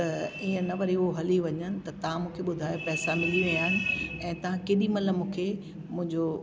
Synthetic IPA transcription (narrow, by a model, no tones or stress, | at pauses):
t̪ɐiːə̃nɐʋɐɾiʊɦoɦɐliʋɐɲənɪ̆t̪ɐt̪ɐʋ̤ãmũːkʰeɓʊd̪ʱaːjopɛːsamɪliʋĩaːɪnɪ̆ɛ̃ːt̪ɐʋ̤ãkeːɗimɐləmũːkʰe | mʊ̃ɦɪ̃ɲd͡ʑo